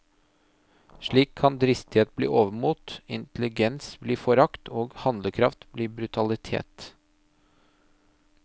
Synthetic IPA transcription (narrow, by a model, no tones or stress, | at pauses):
ʂɭiːkʰɑnd̪ɾɪst̪ɪheːt̪̚blḭːʔoːʋəmuːt̪ɪnt̪əlɪɡɛnsbliːfɔɾɑkt̪ʰoːɡhɑnd̪ləkʰɾɑft̪bliːbɾʉt̪ʰɑlɪt̪ʰḛːt̪